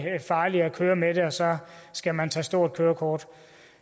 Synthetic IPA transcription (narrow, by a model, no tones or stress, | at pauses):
fɑ̈ːliækʰøːɐmede̝ɒ̽sɒ̽sɡ̥æmænt͡sʰɛ̰ːsd̥o̝ɐ̰d̥̚kʰøːɐkʰɒːd̥